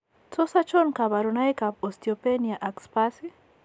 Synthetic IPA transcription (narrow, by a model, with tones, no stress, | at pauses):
sɔ˦sa˦t͡ʃɔ˦nka˨βa˨ɾuna˦jka˨pɔsti˨ɔpenia˨ʔa˨kspasi˦